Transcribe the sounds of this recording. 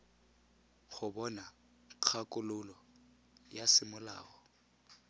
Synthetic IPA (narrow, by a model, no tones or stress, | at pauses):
χʊbɔna | q͡χʰakʼʊlʊlɔ | jasɪmʊla̰ːɔ